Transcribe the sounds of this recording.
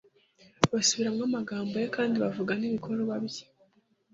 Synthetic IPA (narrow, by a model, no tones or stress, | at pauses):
βasuβiɾamŋamaɡaːmbojekaːndiβavuɡaniβikʰoɾoβaβji